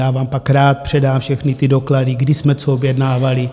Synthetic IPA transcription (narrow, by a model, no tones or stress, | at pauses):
jaːvaːmpakɾaːt̪̚pr̝̥ɛdaːmfʃɛxnit̪idokladiɡdɪsmɛt͡soobjɛdnaːvali